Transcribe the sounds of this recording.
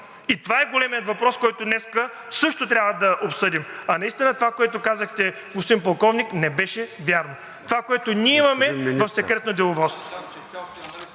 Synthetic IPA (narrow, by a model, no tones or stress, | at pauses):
it̪ovaɛɡolɛmijət̪vɐpɾɔskɔjt̪onɛskə | sɤʃt̪ot̪ɾʲjavəd̪ɐʔopsɤd̪imɐnɐist̪inət̪ovakoɛt̪okazəxt̪ɛ | mʊst̪impɐlˠkɔvniknɛbɛʃɛvʲjaɾno | t̪ovakoɛt̪onʲiɛimɐmɛvɐfsɛkɾɛt̪nod̪ɛlˠovɔst̪vo